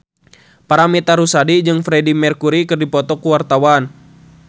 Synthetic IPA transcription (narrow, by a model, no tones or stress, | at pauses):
paɾamit̪aɾusadid͡ʒɨŋfɾɛdimɛrkuɾikɨrdipɔt̪ɔkuwart̪awan